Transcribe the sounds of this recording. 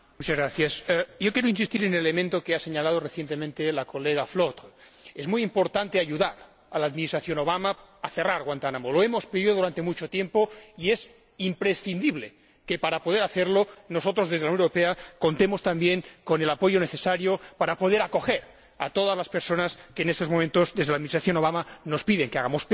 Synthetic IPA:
mut͡ʃazɣɾaθjasjokjeɾoinsist̪iɾenelelemẽnt̪okeaseɲalað̞oreθjent̪emẽnt̪elakoleɣaflot̪ezmujimpoɾt̪ant̪eaʎuðaɾ | alaːðminist̪ɾaθjonoβamaaθeraɾɣwant̪anamoloemospɾiβiðoðuɾant̪emut͡ʃot̪jempoiez | impɾesθind̪iβle | kepaɾapo̞ð̞eɾaθeɾlonos̬ot̪ɾozðezðlawnnuɾopeakont̪emost̪ambjeŋkone̞lapo̞ʝoneθesaɾjopaɾapoðeɾako̞xeɾ | a̰t̪oð̞azlaspeɾsonaskeːnest̪o̞zmoment̪ozðezðelaðminisɾaθjo̞no̞βamanospiðeŋkeaɣamos

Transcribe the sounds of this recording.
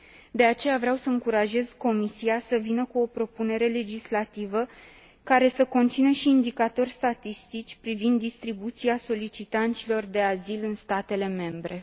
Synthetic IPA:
d̪e̞at͡ʃe̞javɾawsəɨŋkuɾaʒe̞z̥ko̞misiasəvinəkuo̞pɾo̞pune̞ɾe̞le̞d͡ʒislat̪ivə | kaɾe̞səko̞nt̪sinəʃiːnd̪ikat̪o̞rʲst̪at̪ist̪it͡ʃʲpɾivind̪ːist̪ɾibut̪siaso̞lit͡ʃit̪ant̪silo̞rd̪e̞azilɨnst̪at̪e̞le̞me̞mbɾe̞

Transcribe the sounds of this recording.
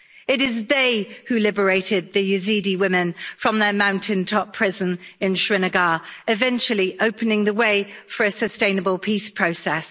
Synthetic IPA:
ɪɾɪzðeɪhʉlɪbəɹeɪtɪd̪̚ðəjʉziːdiwɪmɪ̃nfɹə̃mðəmãʊ̃ntʰɪ̃ntʰɒpʰɹ̥ɪzə̃nɪ̃nʃɹɪnəɡɑːɹɪvɛ̃nt͡ʃəl̩ˠiʔəʊpʰənɪ̃ŋðəweɪfəɹəsəstẽɪ̃nəbəlˠpʰiˑspʰɹ̥əʊsɛs

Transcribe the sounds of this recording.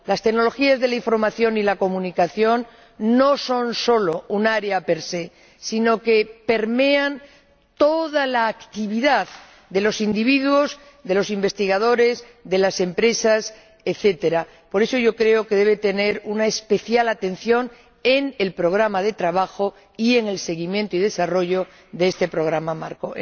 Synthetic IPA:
last̪e̞kno̞lo̞xiazðe̞laiɱfo̞ɾmaθjo̞nilako̞mũnikaθjo̞nː | o̞so̞nso̞lo̞unaɾeape̞ɾse̞ | sino̞ke̞pe̞ɾme̞an | t̪o̞ðalaːkt̪iβiðað | ðe̞lo̞sind̪iβiðuo̞z | ðe̞lo̞simbe̞st̪iɣað̞o̞ɾe̞z | ðe̞lase̞mpɾe̞sas | eθe̞t̪e̞ɾa | po̞ɾe̞so̞ʝo̞kɾe̞o̞keðe̞β̞e̞t̪e̞ne̞ɾunaespe̞θjalat̪e̞n̟θjo̞n | enelpɾo̞ɣ̞ɾamaðe̞t̪ɾaβ̞axo̞ | ie̞ŋe̞lse̞ɣ̞imjent̪oiðe̞saro̞ʝo̞ | ðeest̪e̞pɾo̞ɣ̞ɾamamaɾko̰

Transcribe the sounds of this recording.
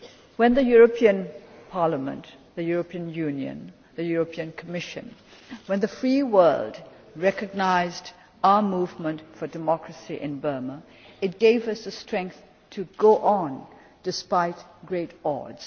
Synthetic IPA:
wə̃nðɨjuɹəpʰiɨ̃npʰɑɹləmə̰̃nt | ðɨjuɹəpʰiɨ̃njʉ̃njɨ̰̃n | ðɨjuɹəpʰiɨ̃nkʰəmɪʃɨ̰̃nwə̃nðɨfɹiwɜ˞lˠd | ɹɛkɨɡ̚naɪzd | aʊəmuvmə̃ntfə˞dɨmɔkɹɨsiʔɪ̃nbɜ˞mə | ɨt̚ɡ̥eɪvʌsɨstɹ̥ɛ̃ŋk̚θ | tʰɨɡoʊʔə̃n | d̥ɨspaɪtɡ̥ɹeɪtɔ̰dz̥

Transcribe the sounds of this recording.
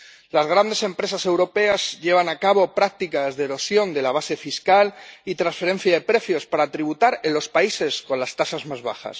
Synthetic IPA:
lazɣ̞ɾand̪e̞se̞mpɾe̞sase̞wɾo̞pe̞azʎe̞β̞anakaβo̞pɾak̚t̪ikazðeeɾo̞sjo̞nd̪e̞laβ̞ase̞fiskalit̪ɾansfe̞ɾe̞n̟θjaðe̞pɾe̞θjo̞spaɾat̪ɾiβut̪aɾenlo̞spaise̞sko̞nlast̪asazmazβaxa̰s

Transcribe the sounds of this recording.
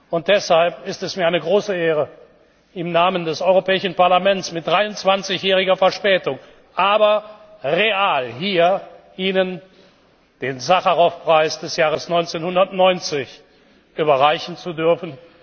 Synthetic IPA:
ʊnt̚d̥ɛshalpɪstɛsmiːɐaɪnəɡʁoːsəeːʁə | ɪmnaːməndɛsɔʏʁopɛːɪʃn̩paɐlamɛntt͡smɪt̚d̥ʁaɪʊntt͡sv̥ant͡sɪçjɛːʁɪɡɐfɛɐʃpɛːtʊŋ | ʔaːbɐʁeaːlɦiːɐʔiːnən | d̥eːnzaχaʁɔfpʁ̥aɪsd̥ɛsjaːʁ̞əsnɔʏnt͡senhʊndɐtnɔʏnt͡sɪç | ʔyːbɐʁaɪçn̩t͡sudʏɐfn̩

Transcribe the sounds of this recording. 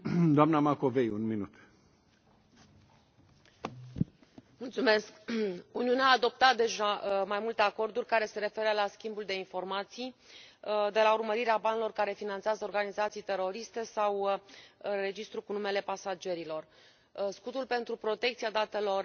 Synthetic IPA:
d̪oamnamako̞vejunminut̪ | mult̪sume̞skuniuneaːd̪o̞p̚t̪at̪̚d̪e̞ʒamajmult̪e̞ako̞rd̪urʲkaɾe̞se̞ɾe̞fe̞ɾəlaskʲimbuld̪e̞info̞rmat̪sij | d̪e̞laurməɾiɾeabanilo̞rkaɾe̞finant̪seazəorɡanizat̪sijt̪e̞ɾo̞ɾist̪e̞saw | re̞d͡ʒist̪ɾukunume̞le̞pasad͡ʒe̞ɾilo̞r | skut̪ulpe̞nt̪ɾupɾo̞t̪ekt̪siad̪at̪e̞lo̞r

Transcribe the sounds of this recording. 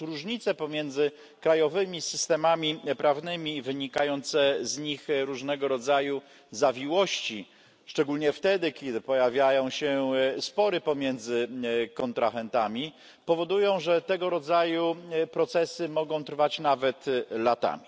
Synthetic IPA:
ɾuʐɲit̪sɛpɔmʲjɛnd̪zɘ | kɾajɔvɘmʲisɘst̪ɛmamʲipɾavnɘmʲivɘɲikajɔnt̪sɛzɲixɾuʐnɛɡɔɾɔd̪zaju | zavʲiwɔɕt͡ɕi | ʂt͡ʂɛɡulɲɛft̪ɛd̪ɘkʲɛd̪ɘpɔjavʲjajɔ̃w̃ɕɛspɔɾɘpɔmʲjɛnd̪zɘkɔnt̪ɾʔaxɛnt̪amʲi | pɔvɔd̪ujɔ̃w̃ʐɛt̪ɛɡɔɾɔd̪zajupɾɔt̪sɛsɘmɔɡɔ̃w̃t̪ɾfat͡ɕnavɛt̪lat̪a̰mʲi

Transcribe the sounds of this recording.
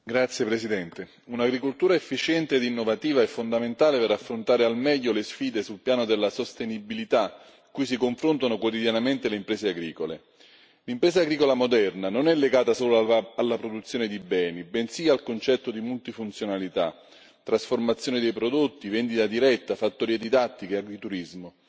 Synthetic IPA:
ɡɾat̪sːjepɾesid̪ɛnt̪e | unaɡɾikolt̪uːɾaefːit͡ʃɛnt̪eːd̪inːovat̪iːvaɛfːond̪ament̪aːlepeɾafːɾont̪aːɾealmɛʎːolesfiːd̪esulpjaːnod̪elːasost̪enibilit̪a | ikujs̬ikoɱfɾont̪anokwot̪id̪janament̪eleimpɾeːseaɡɾiːkolḛ | limpɾeːsaɡɾiːkolamod̪ɛrnanonɛlːeɡaːt̪asoːloaalːapɾod̪ut̪sːjoːnɪd̪ibɛːnibɛnsiːalkont͡ʃɛt̪ːod̪imult̪ifunt̪sjonalit̪a̰ | t̪ːɾasformat̪sːjoːned̪ejpɾod̪ot̪ːivɛnd̪it̪ad̪iɾɛt̪ːafat̪ːoɾiːed̪id̪at̪ːikeaɡit̪uɾizmo

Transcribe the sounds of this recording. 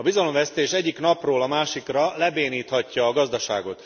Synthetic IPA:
ɒbizɒlo̞mvɛst̪eːʃɛɟːikn̪ɒproːlɒmaːʃikrɒlɛbeːniːt̪hɒcːɒːɡɒzd̪ɒʃa̰ːɡo̞t̪

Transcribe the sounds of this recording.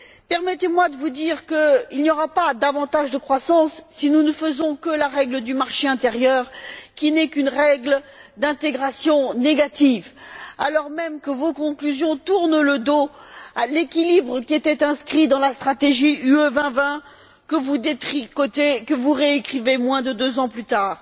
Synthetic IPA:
pɛʁmɛt̪emwad̪əvud̪iʁkəilnjɔʁapad̪avɑ̃t̪aʒd̪əkχwasɑ̃sːinunəfəzɔ̃kəlaʁɛɡləd̪ymaʁʃeɛ̃t̪eʁjœʁkʲinɛkynʁɛɡld̪ɛ̃t̪eɡʁasjɔ̃neɡat̪ivalɔʁmɛmkəvokɔ̃klyzjɔ̃t̪uʁnləd̪oalekʲilibʁəkʲiɛt̪ɛt̪ɛ̃skχid̪ɑ̃last̪χat̪eʒiyøvɛ̃vɛ̃ | kəvud̪et̪χikot̪ekəvuʁeekχivemwɛ̃d̪əd̪øzɑ̃plyt̪aːʁ

